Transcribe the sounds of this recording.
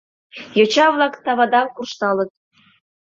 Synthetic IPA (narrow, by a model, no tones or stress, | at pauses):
jot͡ɕɑβlˠɑkt̪ɑβɑd̪ɑmkurʃt̪ɑlɤ̆t̪̚